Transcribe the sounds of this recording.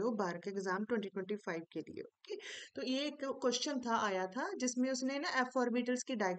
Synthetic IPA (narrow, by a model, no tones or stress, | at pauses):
oːbaːɾkeɪɡzaːmʈwɛ̃ɳʈiʈwɛ̃ɳʈifʰaːɪb̚kelḭo̰ːt̪oːjeeːkkːwɛʃt͡ʃənt̪ʰaʔaːjat̪ʰad͡ʒɪsmẽʊsnenɐʔɛːfɔːɾbiːʈəlskiɖaːɪɡ